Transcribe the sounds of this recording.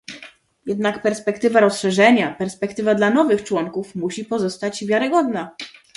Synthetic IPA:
jɛd̪nakpɛɾspɛkt̪ɘvaɾɔsʂɛʐɛɲapɛɾspɛkt̪ɘvad̪lanɔvɘxt͡ʂwɔŋkufmuɕipɔzɔst̪ad͡ʑvʲjaɾɘɡɔd̪na

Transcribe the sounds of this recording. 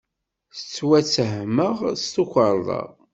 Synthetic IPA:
θə̥t͡sːwæt͡sːəɦməʁst̪ukʷəɾˤðˤɑ̰ʁ

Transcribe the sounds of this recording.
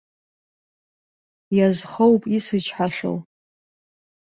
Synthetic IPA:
jazχəwpʼisɨt͡ʃʰʼħaɬʷo̰w

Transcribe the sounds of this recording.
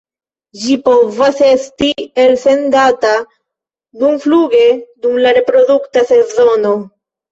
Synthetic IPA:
d͡ʒipo̞vasestielse̞nd̪at̪a | dumfluɡe̞d̪umlaɾe̞pɾo̞d̪ukt̪ase̞zono̞

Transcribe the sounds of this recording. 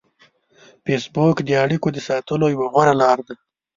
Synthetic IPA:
fesbokd̪əaɽikod̪əsɑt̪əlojawaɣwaɾalɑɾd̪a

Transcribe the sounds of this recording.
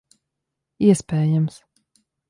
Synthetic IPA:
iɛspʲɛːjams

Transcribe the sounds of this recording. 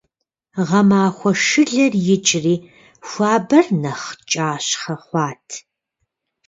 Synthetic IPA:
ʁɐmaːxʷɔʂɨɮɐrjɪt͡ʃʼriː | xʷaːbɐrnɐχt͡ʃʼaːɕχɐχʷɑːtʰ

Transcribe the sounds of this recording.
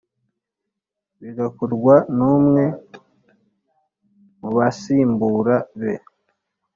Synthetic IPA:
βiɡakuɾɡwanumŋe̞ | muβasiːmbuːɾaβe

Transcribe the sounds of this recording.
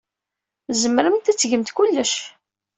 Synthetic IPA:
zəmːəɾəmt̪æt͡sːʝəmt̪kulːəʃ

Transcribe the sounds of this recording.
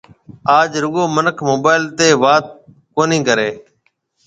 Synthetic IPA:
aːd͡ʒɾʊɠoːmənəkʰmoːɓaːɪlt̪eːʋaːt̪̚ | koːnĩːkəɾeː

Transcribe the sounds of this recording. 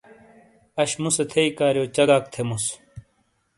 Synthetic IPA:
ɐɕmuset̪ʰeikaːɾjot͡ɕɐɡaːkt̪ʰemus

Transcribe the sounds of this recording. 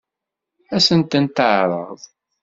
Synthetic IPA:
æsənt̪ənt̪əʕɾˤə̰ðˤ

